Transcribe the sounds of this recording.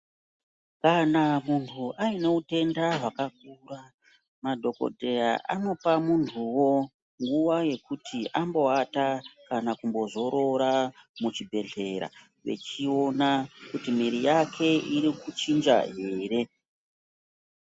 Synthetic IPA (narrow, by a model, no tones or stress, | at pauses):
kanamuntʰuʔaine̞ute̞ndaɦwakak̚ura | madʱo̞ko̞̰dʱe̞jaʔa̰no̞pamuntʰuwo̞ | ŋɡuʋaje̞kutʰiʔambo̞atakanakumbo̞zo̞ɾo̞ɾamut͡ʃibʱe̞ɮe̞ɾa̰ | ʋe̞̰t͡ʃio̞nakutimiɾijakʰe̞iɾikut͡ʃind͡ʒa̰ɦe̞ːɾe̞